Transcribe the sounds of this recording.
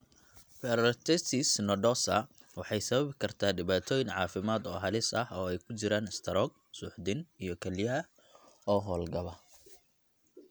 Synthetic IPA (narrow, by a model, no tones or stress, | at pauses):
pɛɾɔt̪ʰɛt̪isnɔɖɔsɐ̰ | wɑħɑjsɐβɐβɪkʰɐrt̪ʰaːɖɪβaːt̪ʰɔːjɪŋʕɑːfɪmaːd̪ɔːɦɐlɪsɐhɔːɛjkʰʊt͡ʃɪɾaːnɪst̪ʰɐɾɔːɡ̚ | suːħd̪ɪnijɞkʰɐljɐɐ | ɔːɦɔːlɡɐβɐ